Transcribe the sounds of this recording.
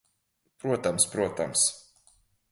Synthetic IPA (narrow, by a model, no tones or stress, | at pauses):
pɾuɔt̪amspɾuɔt̪a̰ms